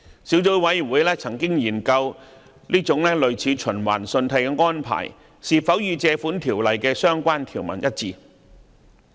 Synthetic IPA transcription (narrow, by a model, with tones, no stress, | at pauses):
siː˨˥wt͡so˨˥wwɐ˨˥ji˨˩nwuː˨˥jlɛː˥t͡sʰɐ˨˩ŋkɪ˥ŋjiː˨˩nkɐ˧w | liː˥t͡sʊ˨˥ŋlɛː˥lɵ˧ɥt͡sʰiː˨˧t͡ʃʰɵ˨˩nwa̰ː˨˩nsɵ˧nt̪ʰɐ˧jkɛː˧ŋɔː˥npʰa̰ː˨˩j | siː˨fɐ˨˥wjyː˨˧t͡sɛː˧fuː˨˥nt̪ʰiː˨˩wlɐ˨jkɛː˧sœː˥ŋkʷaː˥nt̪ʰiː˨˩wmɐ̰˨˩njɐ˥t̚t͡siː˧